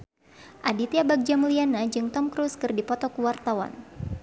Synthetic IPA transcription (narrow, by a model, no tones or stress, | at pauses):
ʔadit̪iabak̚d͡ʒamulianad͡ʒɨŋt̪ɔmkɾuskɨrdipɔt̪ɔkuwart̪awa̰n